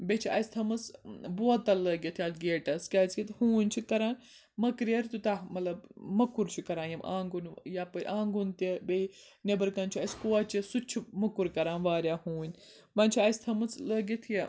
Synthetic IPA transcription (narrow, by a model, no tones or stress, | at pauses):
bʲet͡ʃʰiɐ̰st̪ʰɐmɐt͡sboɐt̪ːɐlɐːɡʲit̪ʰiaːlɡeːʈɐskʲaːt͡skit̪huːnʲt͡ʃʰikɐɾaːn | mɐkɾɐɾt̪ut̪amɐt̪lɐbmɐkuɾt͡ʃʰikɐɾãːjɐmã̰ːŋɡunjaːpɐɾʲʔaːŋɡunt̪ibei | nebɐɾkɐnt͡ʃʰiɐskoɐt͡ʃisut͡ʃʰimɐkuɾkɐɾãːnʋaːɾʲaːhũːnʲ | mɐːnʲt͡ʃʰiɐsʲt̪ʰɐmɐt͡slɐːɡit̪ʰi